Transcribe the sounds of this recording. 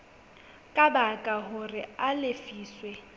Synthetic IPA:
kʼabakʼaɦʊrɪalɪfiːswɛ

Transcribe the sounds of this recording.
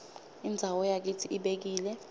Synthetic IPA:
ind͡zʱawɔjak̬itʰiʔiɓek̬iːlɛ

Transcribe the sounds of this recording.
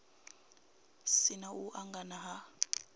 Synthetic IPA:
sinauʔaŋɡanaɦa

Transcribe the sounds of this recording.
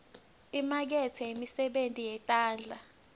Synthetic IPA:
imak̬ɛtʰɛimisɛɓentʼijɛtʼaːnd͡ɮʱa

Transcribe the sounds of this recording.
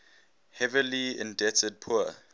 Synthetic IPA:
hɛviliɛ̰̃ndɛtəd̚pʰu

